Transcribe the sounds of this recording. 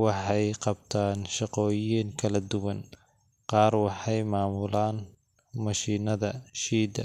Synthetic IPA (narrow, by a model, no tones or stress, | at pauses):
wɑħɑjqɑb̚t̪ʰaːnʃɑqɔːjiːŋkʰɐlɐd̪ʊwɐn | qɑːrwɑħɑjmaːmʊlaːn | mɐʃiːnɐðɐʃiːd̪ɐ